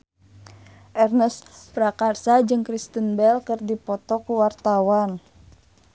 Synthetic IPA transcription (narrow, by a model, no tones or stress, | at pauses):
ʔɛrnɛspɾakarsad͡ʒɨŋkɾist̪ənbɛlkɨrdipɔt̪ɔkuwart̪awan